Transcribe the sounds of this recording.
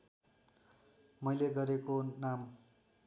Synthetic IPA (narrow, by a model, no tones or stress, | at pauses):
mʌjleɡʌɾekonam